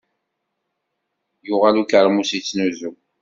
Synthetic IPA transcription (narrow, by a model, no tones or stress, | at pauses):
jʊʁalukəɾˤmusit͡sːnuzu